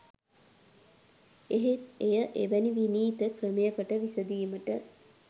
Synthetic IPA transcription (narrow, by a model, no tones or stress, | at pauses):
eɦeejəʔeʋæniʋiniːt̪əkrəmejəkəʈəʋisəd̪iːməʈə